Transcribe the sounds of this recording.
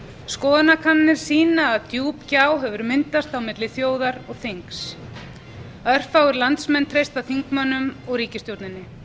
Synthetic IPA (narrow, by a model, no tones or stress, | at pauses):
skɔːðanakʰanːɪɾ̥siːnaːðt̪juːpcaːwɦɛvʏɾmɪnt̪ast̪awmɪt̪lɪθjoːwðaɾɔɣθeŋks | œr̥fawɣʏɾlant̪smɛnt̪ʰɾejst̪awθiŋkmœnːʏmɔɣriːcɪst̪jowt̪nɪnːɪ